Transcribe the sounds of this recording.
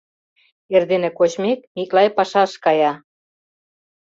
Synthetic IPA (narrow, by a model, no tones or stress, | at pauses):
erðenĕkot͡ɕmek̚iklɑjpɑʃɑʃkɑjɑ